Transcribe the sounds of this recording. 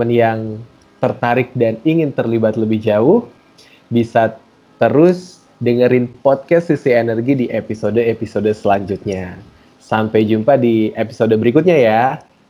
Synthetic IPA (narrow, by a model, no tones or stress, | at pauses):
ənjaŋ | t̪ərt̪aɾɪk̚daniŋɪnt̪ərlibat̪ləbɪhd͡ʒaʊh | bisa | t̪əɾʊs | dəŋəɾɪnpɔt̪̚kɛstːisienərɡidiʔepisodəepisodəsəlaɲd͡ʒut̪̚ɲa | sampajd͡ʒumpadiepi̥sodəbəɾikʊt̪̚ɲaja